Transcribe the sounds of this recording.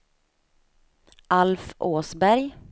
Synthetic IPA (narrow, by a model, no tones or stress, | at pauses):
ʔalfʔoːsbæɾj